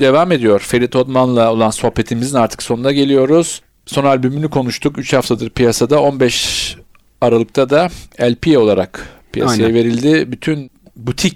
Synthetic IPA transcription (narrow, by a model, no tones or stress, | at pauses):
d̪e̞vaːme̞d̪ijo̞ɾfe̞ɾit̪ʰot̪manlˠao̞lˠanso̞hpe̞t̪ʰimizinaɾt̪ʰɯ̥kso̞nund̪aɟe̞lʲijo̞ɾuz̥ | so̞nalʲbymynikʰo̞nuʃt̪ʰukyt͡ʃhaft̪ʰad̪ɯɾpʰijasad̪ao̞nbɛʃ | aɾalˠɯk̚t̪ʰad̪aælʲpʰio̞lˠaɾa̰kpʰija̰sajave̞ɾilʲd̪ɪbyt̪ʰyn | but̪ʰic